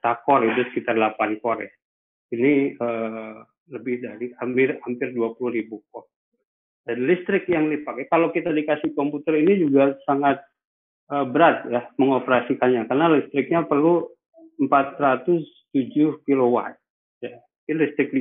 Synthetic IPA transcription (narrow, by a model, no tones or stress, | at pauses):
t̪akɔridʊsə̥kit̪arlapankoɾɛ | iniə | ləbɪhdaɾihamɪrhampɪrduapuluhɾibuk̚ɔ | d͡ʒadilist̪ɾɪk̚jaŋlipakjakalokit̪adikasɪhkɔmput̪ərinid͡ʒuɡasaŋat̪̚ | əbəɾat̪̚jaməŋopəɾasikanɲakarnalist̪ɾɪk̚ɲapərlu | əmpat̪rat̪ʊs | t̪ud͡ʒuhkilowa̰t̪̚ | ja | ilist̪ɾɪk̚di